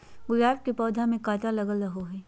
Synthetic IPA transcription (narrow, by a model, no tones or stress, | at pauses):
ɡʊɾaːf̚kipɔːd̪ʱamẽkaːt̪alɐɡəlɾɐɦoɦɛː